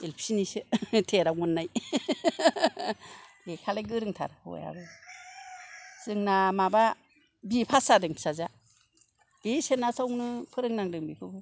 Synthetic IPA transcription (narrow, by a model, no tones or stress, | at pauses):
elpʰi̥sinisɯtʰeɾawmunːaj | hekʰalajɡɯɾɯŋtʰa̰ɾho̰ja̰bɯ | z̥ɯŋnamaba | bipʰasadɯŋsaza | isenasawnɯpʰɯɾɯŋnaŋdɯŋbikʰɯbɯ